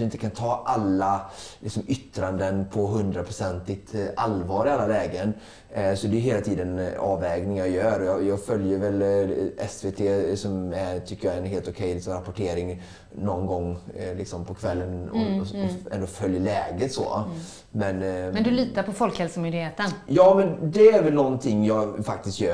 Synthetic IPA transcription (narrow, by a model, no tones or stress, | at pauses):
ɵɪnt̪ːəkʰant̪ʰɑːʔalːalɪksɔmʏt̪ːɾand̪ənpʰɔɦɵnd̪ɾapʰɾʊsɛnt̪ɪt̪ʔalvɑːɾɪalːalɛːɡən | sɔd̪ɛjʏɦeːlat̪ʰiːd̪ənɑːvɛːɡnɪŋjɑjœːɾɔjɑːjɑːɡfœljəɾvɛlʔɛsvet̪ʰeːsɔmæt̪ʰʏkːəjaɛnɦeːlt̪ʊkʰɛjlɪksɔmɾapʊʈʰeːɾɪŋ | nɔnɡɔŋːlɪksɔmpʰɔkʰvɛlːənɔ̰ɔɛ̰nd̪oːfœljəɭɛːɡət̪sɔ̰ | mɛnmɛnd̪ɵliːt̪apʰɔfɔlkhɛlsəmʏnd̪ɪheːt̪ənjɑːmɛnd̪ɛæɾvɛlnɔnːt̪ʰɪŋːjɑfak̚t̪ɪst̪jœː